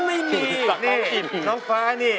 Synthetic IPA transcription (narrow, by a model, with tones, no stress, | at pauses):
ma˥˩jmi˩˧˩niː˦˥˩nɔː˦˥ŋfaː˦˥niː˥˩